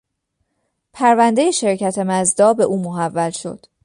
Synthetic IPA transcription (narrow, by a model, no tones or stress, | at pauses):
pʰæɾvænd̪e̞jeʃe̞ɾcʰæt̪ʰe̞mæzd̪ɒːbe̞ʔuːmoɦævːælʃo̞̰d̪̥